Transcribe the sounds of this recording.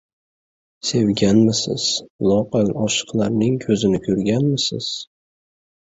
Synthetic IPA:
se̞wɡʲanmɪsɪ̰z̥lˠɒqɑlɒʃɨ̥qlˠaɾnɪŋkʲʰɵzɪnɪkʰʲʊɾɡʲanmɪsɪ̰z̥

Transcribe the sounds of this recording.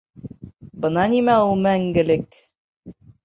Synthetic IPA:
bɤ̆nɑnimæulˠmæŋɡɘ̆lɘk

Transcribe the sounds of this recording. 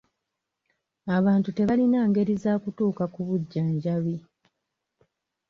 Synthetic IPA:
aβaːntute̞βalinaːŋɡe̞ɾizaːkutuːkakuβuɟːaɲɟaβi

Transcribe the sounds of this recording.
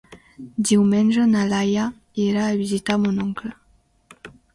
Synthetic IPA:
d̪iwmɛnʒənalaja | eɾaːβizit̪amunɔŋklə

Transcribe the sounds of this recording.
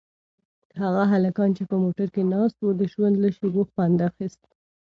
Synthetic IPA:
haɣaɦalakɑnt͡ʃepəmoʈaɾkenɑst̪wud̪əʒwand̪laʃiɡoxpɑnd̪axist̪

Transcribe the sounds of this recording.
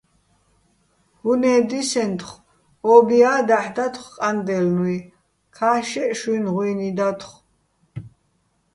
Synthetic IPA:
hunɛːd̪isɛnt̪ʰχ | ɔbiaːd̪aħd̪at̪ʰχqʼand̪ɛlnwi | kʰaːʃɛʔʃinʁwinid̪at̪ʰχ

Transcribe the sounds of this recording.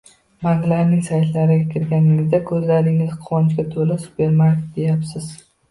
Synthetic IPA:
baŋɡlaɾnɪŋsajt̪laɾɪɡʲakʲɪɾɡʲanɪŋɪzd̪akʰɵzlaɾɪŋɪzqʰʊwɒnt͡ʃɡʲat̪ʰolɪsʊ̥pe̞ɾmaɾkʲe̥t̪̚d̪e̞japsɪz

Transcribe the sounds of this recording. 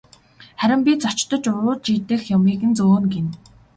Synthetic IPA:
χæɾʲɪ̆mpʲit͡sɔt͡ɕt̪ɞ̆t͡ɕʊɾʊːɮt͡ɕiːt̪ɘ̆xjʊmiːkɘ̆nt͡soːnɡen

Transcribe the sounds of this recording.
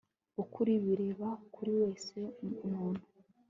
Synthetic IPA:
ukʰuɾiβiɾe̞βakuɾiwe̞ːse̞muːn̥u

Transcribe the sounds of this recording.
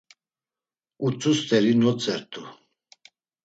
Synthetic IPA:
ut͡sʼust̪ʰʼɛɾinɔt͡sʼɛɾt̪ʰʼu

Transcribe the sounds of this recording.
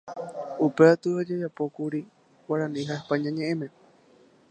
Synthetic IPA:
upeat̪ɨad͡ʒad͡ʒapo̞kuɾi | wʷaɾãnĩɦahpaɲãɲẽʔẽmẽ̞

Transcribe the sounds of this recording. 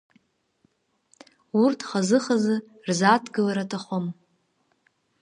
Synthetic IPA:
urtʰχazɨχazɨ | rzatʰɡɨlaɾatʰaχʷom

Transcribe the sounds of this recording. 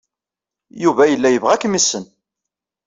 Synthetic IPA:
juvæjəlːæjəvʁækːmisːən

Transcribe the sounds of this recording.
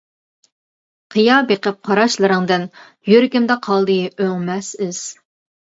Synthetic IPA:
qʰɨjɑbeqəp̚qʰɑɾɑʃlˠɨɾɨŋd̪ɪn | jøɾɡʲimd̪ɛqʰɑlˠd̪ɨjøŋmɛsɪz̥

